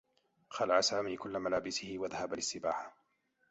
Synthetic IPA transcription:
xalaʕasaːmiːkʊlːamalaːbɪsɪhɪwaðahabalɪsːɪba̰ːħḁ

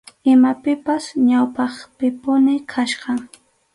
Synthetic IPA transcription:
ɪmapɪpasɲawpɑχpɪpʊnɪkʰaʃɢɑŋ

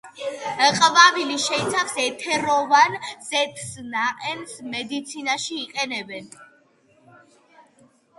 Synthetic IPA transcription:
qʼvaviliʃɛit̪sʰafsɛt̪ʰɛɾɔvanzɛt̪ʰsnaqʼɛnsmɛd̪it̪sʰinaʃiːqʼɛnɛbɛn

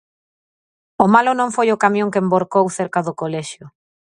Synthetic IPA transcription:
omalonõŋfojʊkamjõŋkemboɾkowθeɾkaðʊkolɛʃjʊ

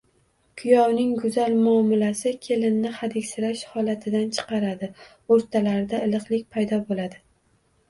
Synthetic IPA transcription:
kʰʊjɒwnɪŋɡʊzalmʊɒɒmɪlasɪkʲʰe̞lɪnːɪχad̪ɪkʲsɪɾaʃhɒlat̪ʰɪd̪ant͡ʃʰɨ̥qɑɾad̪ɪ | oɾt̪ʰalaɾɪd̪aɪlɨqlˠɪkʲpʰajd̪ɒbolad̪ɪ

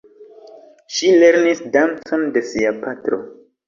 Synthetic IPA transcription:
ʃileɾnisdansondesiapatɾo̰

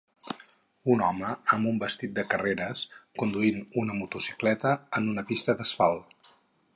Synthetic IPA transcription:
unɔməəmbumbəst̪it̪̚d̪əkəreɾəskund̪uinunəmut̪usi̥klɛt̪əːnunəpist̪əðəsfalˠ

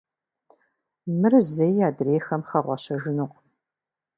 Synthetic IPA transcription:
mɨrzejːaːdreːxɐmχɐʁʷɑɕɐʒɪnɨqʼ

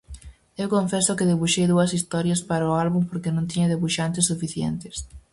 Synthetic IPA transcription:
ewkoɱfesʊkɪðeβuʃejðuɐsist̪ɔɾjɐspaɾaʊalβumpoɾkenõŋt̪̬iɲɐðeβuʃant̪ɪsːufiθjḛnt̪ɪs

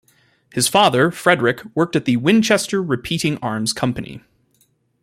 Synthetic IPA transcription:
hɨz̥fɑðə˞fɹɛdɹɪkwɜ˞k̚tɨt̪̚ðɨwɪ̃nt͡ʃʰɛstə˞ɹɨpʰiɾɪ̃ŋɑɹmz̥kʰʌ̃mpɨnḭ

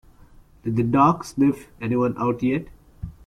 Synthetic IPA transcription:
ɖ̥ɪd̪d̪əɖaːksnɪfɛniʋʌ̃nʔaʊʈjɛʈ

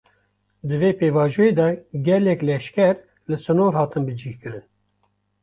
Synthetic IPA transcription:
d̪ɨveːpeːvɑːʒueːd̪ɛɡʲɛlɛklɛʃkɛɾ | lɨsɨnoːɾhɑːt̪ɨnbɨd͡ʒiːhkɨɾɨn

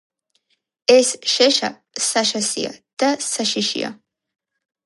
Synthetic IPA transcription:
ɛsʃɛʃa | saʃasḭja̰d̪̥asaʃiʃḭa̰

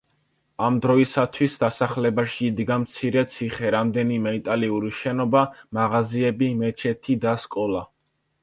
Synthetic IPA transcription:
amd̪ɾɔisat̪ʰwisd̪asaχlɛbaʃiːd̪ɡamt̪sʰiɾɛt̪sʰiχɛɾamd̪ɛnimɛit̪ʼaliuɾiʃɛnɔbamaʁaziɛbimɛt͡ʃʰɛt̪ʰid̪askʼɔlˠa

